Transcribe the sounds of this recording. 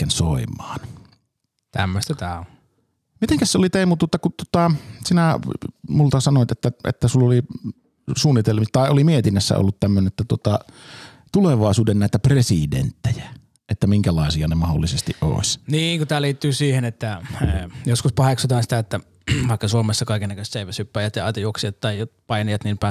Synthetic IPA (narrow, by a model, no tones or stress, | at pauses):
kːænsoˑimˑɑːn | t̪æ̰mːøst̪æt̪æːo | mit̪eŋkæsseolit̪eˑimut̪uot̪ːɑkutt̪uŏt̪ɑsinæmult̪ɑsɑnoˑit̪et̪ːæḛt̪ːæsulːoli | suːnːit̪elmit̪ɑˑiʔolimiet̪inːæsːæ̰o̰lːut̪t̪æmːønenet̪ːæt̪uot̪ɑ | t̪uleʋɑˑesuːdenæˑit̪æpresidḛnt̪ːejæ | ʔet̪ːæmiŋkælɑˑesiɑnemɑholːisest̪iʔʔo̰ˑesʲniːŋkot̪æːliːt̪ːyːsiːhenet̪ːæ | joskuspɑheksut̪ɑːnsit̪æet̪ːæ | ʋɑˑikːɑsuomesːɑkɑˑikenːækøst̪seˑiʋæsypːæːjɑt̪jɑɑt̪iuoksiɑt̪t̪ɑijjot̪pɑinijɑt̪niːmpæˑ